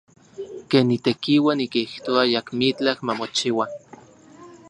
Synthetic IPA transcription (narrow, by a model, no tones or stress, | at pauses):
keːnːit̪ekiwanikiht̪oajakmit͡ɬakmamot͡ʃiwa